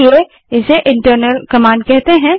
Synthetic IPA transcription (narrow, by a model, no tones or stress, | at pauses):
e | ɪseʔɪ̃ɳʈəɾnəlkɐmãːɳɖkɛɦt̪eɦɛ̃